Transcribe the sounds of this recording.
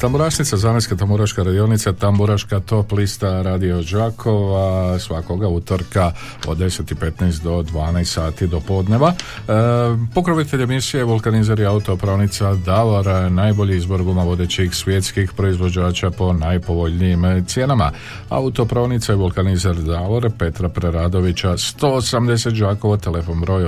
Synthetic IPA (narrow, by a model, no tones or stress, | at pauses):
t̪ambuɾaʃnit̪sazaːnajskat̪ambuɾaʃkaɾad̪io̞nit̪sat̪ambuɾaʃkat̪o̞plist̪aɾaːd̪io̞d͡ʒakʰo̞ʋasʋako̞ɡaut̪oɾka | o̞̰d̪ːe̞set̪ipe̞t̪najst̪d̪o̞d̪ʋaːnajst̪saːt̪id̪o̞po̞d̪ne̞ʋa | po̞kɾoʋit̪eʎemisijeʋulˠkanizaɾiaut̪o̞pɾoːnit̪sad̪aloɾnaːjbo̞ʎiizboɾɡumaʋo̞d̪et͡ɕixsʋʲje̞t̪skixpɾo̞izʋo̞d͡ʑaːt͡ʃapo̞najpo̞ʋo̞ʎnijimt̪sje̞nama̰ | a̰ut̪o̞pɾoːnit̪saiʋulˠkanizaɾd̪aloɾpe̞t̪ɾapɾeɾaːd̪o̞ʋit͡ɕast̪o̞osamd̪e̞se̞t̪d͡ʒaːko̞ʋat̪e̞le̞fo̞nbɾo̞j